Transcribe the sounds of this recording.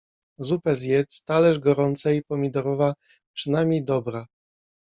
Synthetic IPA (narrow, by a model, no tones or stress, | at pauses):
zupɛzjɛt̪st̪alɛʐɡɔɾɔnt̪saipɔmʲid̪ɔɾɔva | pʂɘnamʲijd̪ɔbɾa